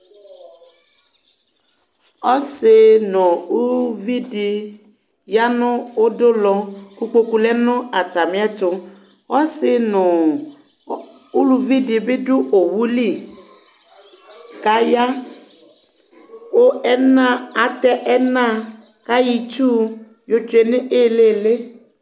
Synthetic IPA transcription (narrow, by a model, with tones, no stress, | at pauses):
ɔ˦sɪ˦nʊ̃˨u˦vi˦di˨ | ja˦nʊ̃˦wo˦dʊ˦lɔ˨ku˦k͡po˦ku˨lɛ˦nʊ̃˦a˨t̪a˨mɪ̃˦a˦tʊ˨ | ɔ˦sɪ˦nʊ˨ | u˦lu˨vi˦dɪ˨bɪ˦dʊ˦ʔo˨wu˦li˦ | ka˦ja˦ | wo˦ɛ˦nã˦˨a˨t̪ɛ˦ʔɛ˦nã˦˨ | ka˦ji˨t͡ʃu˦ | jo˦t͡ʃʊ˨e˨nɪ˦ʔe˦˨le˦˨le˦